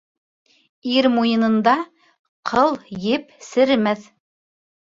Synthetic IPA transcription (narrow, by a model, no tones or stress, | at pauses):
iɾmujɤ̆nɤ̆nd̪ɑ | qʰɤlˠjɘpsɘ̆ɾɘmæθ